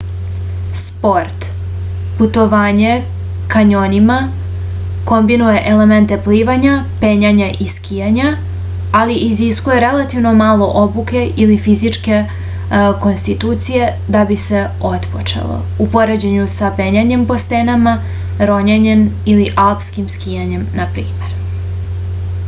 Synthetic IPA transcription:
spo̞ɾt̪ | put̪o̞ʋaːɲe̞ | kaɲo̞nima | ko̞mbinuje̞ʔele̞me̞nt̪e̞pliːʋaɲapeɲaɲaʔiskʰijaɲa | aliʔiziskuje̞ɾe̞lat̪iʋno̞maːlo̞ʔo̞buke̞ilifizit͡ʃke̞ | ko̞nst̪it̪uːt̪sije̞ | d̪abise̞ | o̞t̪po̰t͡ʃḛlˠo̰ | upo̞ɾe̞d͡ʑeɲusapeɲaɲe̞mpo̞st̪enama | ɾo̞ɲaɲen | iliʔalpskimskijaɲe̞mnapɾiːme̞ɾ

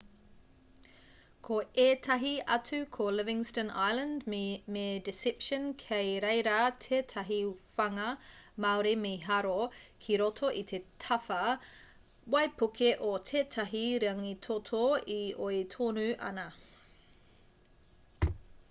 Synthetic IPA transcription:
kʰoeːtʰɐɦiɐt͡sʉkʰolɪvɪ̃ŋstəna̰jlɐ̃ndmedɪsɪpʃənkʰejɾejɾaːtʰeːtʰɐɦifɐŋɐmaoɾemeɦɐɾokʰiɾotʰoʔit̪ʰetʰɐfɐ | wɐjpʰukʰeʔotʰeːtʰɐɦiɾeɐŋit̪ʰotʰoioit̪ʰoːnʉʔɐ̰nɐ

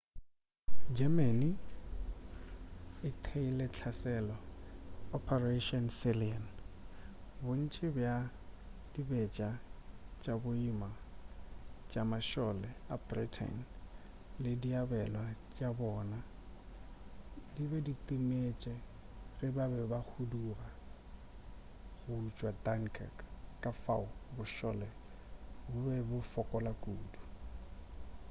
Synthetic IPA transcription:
d͡ʒɛmeni | ɪtʰeilɛt͡ɬʰasɛlɔ | ɔpʰɛreʃɔnsɪlian | bʊn̩t͡ʃʼɪbja | d̥ibɛt͡ʃʼat͡ʃʼabʊima | t͡ʃʼamaʃɔlɛabritʰɛ̰n | lɪdiabɛlwat͡ʃʼabɔːna | dibɛditʼimet͡ʃʼɛ | rɪbabɛbak͡xʰudura | ɣʊt͡ʃʼwatʼaŋkʰɛ̰kkʼafa̰ʊbʊʃɔlɛ | bʊbɛbʊfɔkʼɔlakʼuːdu

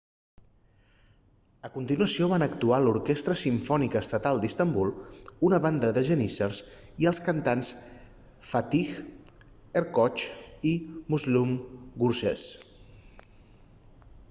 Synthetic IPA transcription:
əkunt̪inuəsioβanəkt̪ualuɾkest̪ɾəsiɱfɔnikəːst̪ət̪alˠd̪ist̪əmbulˠunəβand̪əðəʒənisərs | iəlˠskənt̪ans | fat̪ix | əɾkɔt͡ʃimuzlumɡuɾsɛs

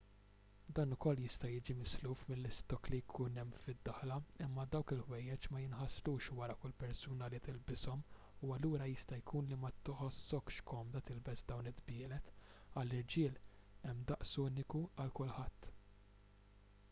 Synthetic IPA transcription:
d̪ɐːnʊkɔlːjɪst̪ɐjɪːd͡ʒimɪsluːfmɪlːɪst̪ɔklijkʰuːnɛmːfɪd̪ːɐħlɐɪmːɐd̪ɐwkɪlhwɛjːɛt͡ʃmɐjɪnħɐsɾuːʃwɐɾɐkʊlpɛɾsuːnɐlit̪ɪlbɪsɔm | uɐlːuːɾɐjɪst̪ɐjkʰuːnlimɐt̪ɪħɔsːɔkʃkɔmd̪ɐt̪ɪlbɛsd̪ɐwnɪd̪bɪːlɛt̪ | ɐlːɪɾd͡ʒɪːl | ɛmːd̪ɐʔsuːnɪkuɐlkʊlħɐt̪ː

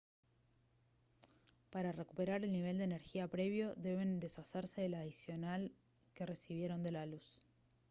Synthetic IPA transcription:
paɾare̞kupe̞ɾaɾe̞lniβ̞e̞ld̪eːne̞ɾxiapɾe̞βjo̞ðe̞β̞e̞nd̪e̞saseɾse̞ðelaðisjo̞nal | ke̞re̞siβ̞je̞ɾo̞nd̪e̞lalus

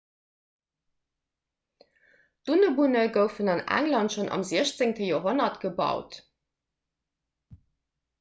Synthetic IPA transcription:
d̥unəbunəɡəʊfənɑnæ̰ŋlɑntʃonʔɑ̰mziəɕt͡seŋtəjoːɦonɐtɡ̥əbɑ̰ʊt

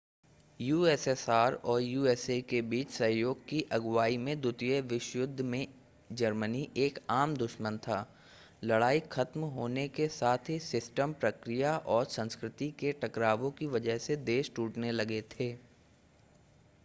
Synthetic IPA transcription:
juːeːsesaːɾɔːɾjuːeːsekebiːt͡ʃsɐ̃ɦjoːɡ̚kiʔɐɡwaːimẽd̪ʊt̪jəʋɪʃjʊd̪ʱːmẽ | d͡ʒɐɾməniʔeːkaːmd̪ʊʃmə̃nt̪ʰaː | lɐɽaːixʰɐt̪mɦoːnekesaːt̪ʰɦisɪsʈəmpɾɐkɾijaʔɔːɾsə̃nskɾɪt̪ikeʈʰɐkɾaːʋõkiʋɐd͡ʒəɦsed̪eːʃʈuːʈnelɐɡet̪ʰeː

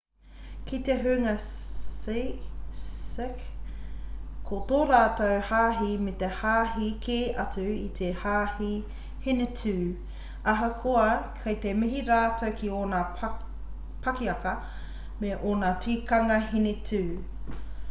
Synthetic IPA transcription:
kit̪eɦʉŋɐse | sek | kʰot̪oːɾaːtowhaːɦimet̪ehaːɦikʰeːʔɐt͡suit̪ʰehaːhi | hinetʰʉː | ɐɦɐkʰoɐkʰɐjt̪emɪɦiɾaːtowkʰioːnaː | pʰɐkiɐkɐ | meʔoːnaːtʰiːkɐŋɐhinetʰʉː

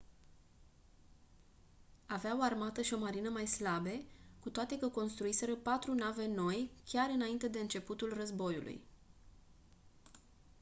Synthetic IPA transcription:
aveaoarmat̪əʃio̞maɾinəmajslabe̞kut̪oat̪e̞kəko̞nst̪ɾuise̞ɾəpat̪ɾunave̞no̞jkʲaɾɨnaint̪e̞d̪e̞ɨnt͡ʃe̞put̪ulrəzbo̞jṵlʔṵj

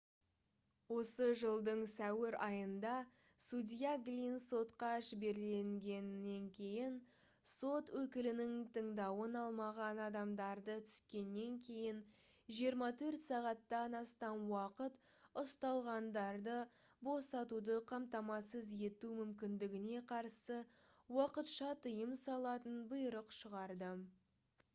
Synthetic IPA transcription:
wo̞səʒəlˠd̪əɴsæwɪɾɑjənd̪ɑ | sud̪ʲijaɡlʲinso̞t̪qɑʒɪbe̞ɾle̞ŋɡʲe̞nːe̞ŋkʲʰe̞jɪn | so̞t̪wɵkʲɪlɪnɪŋt̪ʰəɴd̪ɑwənɑlˠmɑʁɑnɑd̪ɑmd̪ɑɾd̪ət̪ʰʏ̥skʲe̞nːe̞ŋkʲʰe̞jɪn | ʒijəɾmɑt̪ʰɵɾt̪sɑʁɑt̪ːɑnɑst̪ɑnwɑqət̪ | ʊst̪ɑlˠʁɑnd̪ɑɾd̪ə | bo̞sɑt̪ud̪əqʰɑmt̪ɑmɑsəze̞t̪umʏmkʲɪnd̪ɪɡʲɪne̞qʰɑɾsəwɑqət̪ʃɑt̪ʰəjəmsɑlˠɑt̪ənbəjɾəqʃəʁɑɾd̪ə

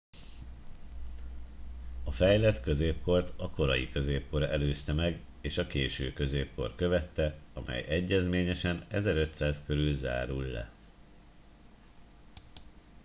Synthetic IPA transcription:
ɒfɛjlɛt̪kø̞zeːp̚ko̞rt̪ɒko̞ɾɒjḭkø̞zeːp̚ko̞ɾɛløːst̪ɛmɛɡ | eːʃɒkeːʃø̰ːkø̞zeːp̚ko̞̰rkø̞vɛt̪ːɛɒmʔɛ̰jɛɟːɛzmeːɲɛʃɛnɛzɛɾøt̪saːskø̞ɾylza̰ːɾulːɛ̰

